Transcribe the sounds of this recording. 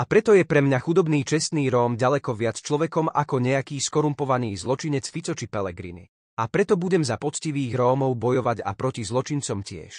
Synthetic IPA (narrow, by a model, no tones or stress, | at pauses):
apɾɛt̪ɔjɛpɾɛmɲaxud̪ɔbniːt͡ʃɛst̪niːɾɔːmɟalɛkɔʋɪat͡st͡ʃlɔʋɛkɔma̰kɔɲɛakiːskɔɾumpɔʋaniːzlɔt͡ʃiɲɛt͡sfit͡sɔt͡ʃipɛlɛɡɾḭnḭ | apɾɛt̪ɔbuɟɛmzapɔt͡sciʋiːɣɾɔːmɔʊbɔjɔʋaɟa̰pɾɔcizlɔt͡ʃint͡sɔmcɪɛ̰ʃ